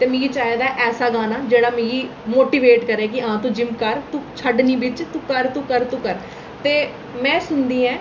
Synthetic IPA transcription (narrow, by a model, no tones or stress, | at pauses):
t̪eːmẽːɡiːt͡ʃaːed̪aːʔɛːsaːɡaːnaːd͡ʒeːɽaːmẽɡiːmoːʈiːʋeːʈkəɾeːk̬ɪãːt̪ũːd͡ʒɪmkəɾt̪ũːt͡ʃʰəɖniːbɪt͡ʃt̪ũːkəɾt̪ũːkəɾt̪ũːkəɾ | t̪eː | mɛ̃ːsʊnd̪iːɛ̃ː